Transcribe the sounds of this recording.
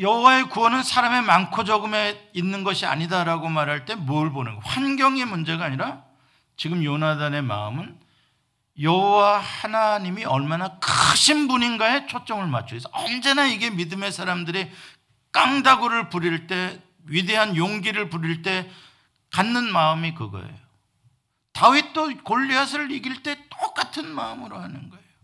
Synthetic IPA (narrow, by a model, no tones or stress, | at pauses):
jʌɦowae̞kuwʌnɯnsʰaɾame̞mankʰod͡ʑʌɡɯme̞inːɯnɡʌɕʰia̰ɲidaɾaɡomaɾɦaɭt͈e̞muɯɭbonɯnɡʌɸwanɡjʌŋemund͡ʑe̞ɡaːɲiɾa | t͡ɕiɡɯmjonadane̞ma̰ɯmɯn | jʌɦowahanaɲimiʌɭmanakaɕʰimbuɲinɡae̞t͡ɕʰot͡ɕ͈ʌŋɯɭma̰t͡ɕʰues͈ʰʌʌnd͡ʑe̞naiɡe̞midɯme̞sʰaɾamdɯɾi | k͈aŋdaɡoɾɯɭpuɾiɭt͈e̞ | ɥide̞ɦanjoŋɡiɾɯɭpuɾiɭt͈e̞ | kanːɯnmaɯmikɯɡʌ̰ḛjo | tawɥit͈okoʎːiɦas̬ʰɯɭiɡiɭt͈e̞t͈ok͈atʰɯnmaɯmɯɾohanɯnɡʌejo